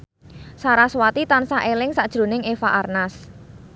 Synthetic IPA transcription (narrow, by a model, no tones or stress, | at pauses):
saɾaswat̪it̪ansaʔelɪŋsaʔd̥ʒ̥ɾo̤nɪŋefaʔarnas